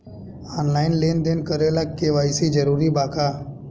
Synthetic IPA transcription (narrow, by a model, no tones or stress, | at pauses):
aːnlaːɪnleːnd̪eːnkəɾeːlaːkːeːʋaːisid͡ʒəɾuːɾibaːkʰaː